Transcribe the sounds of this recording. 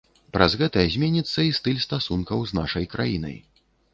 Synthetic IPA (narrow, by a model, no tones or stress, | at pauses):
pɾʔazɣɛt̪ɐɛzʲmʲɛnʲit̪sːɐist̪ɨlʲst̪asunkɐwznaʂɐjkɾa̰jinɐ̰j